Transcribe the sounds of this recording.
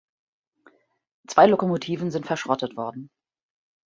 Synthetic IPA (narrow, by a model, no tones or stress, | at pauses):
t͡sv̥aɪlokomotʰiːvn̩zɪntfɛɐʃʁ̥ɔtətv̥ɔɐdn̩